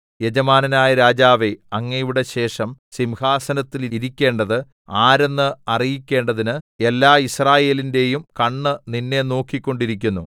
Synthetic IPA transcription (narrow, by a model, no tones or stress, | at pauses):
jed͡ʑɐmaːnɐnaːjɐɾaːd͡ʑaːʋe̞ɐŋːɐjʋiɽe̞ɕe̞ːʂɐmsimhaːsɐnɐt̪ːiliɾikʲːe̞ːɳɖɐðɨ | aːɾe̞nːɨɐrijikʲːe̞ːɳɖɐðinɨe̞lːaːisraːje̞ːlinde̞jumkɐɳːɨninːe̞no̞ːkːikʲːo̞ɳɖiɾikʲːunːu